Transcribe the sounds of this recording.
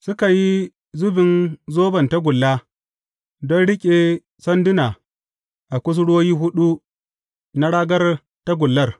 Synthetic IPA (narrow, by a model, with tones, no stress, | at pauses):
sʊ˦ka˨ji˦ | zʊ˦bɪ˨nzoː˦bɐ˨nta˦ɡʷʊ˨lːaː˦ | dɔ˦nɽɪ˦kʲʼe˨ | sɐ˦ndɪ˦na˨ | ʔa˨kʷʊ˦s̬ɽoː˦jiː˦ɦʊ˦ɗu˦ | na˦ɽaː˦ɡɐ˦r | ta˦ɡʷʊ˨lːɐ˦r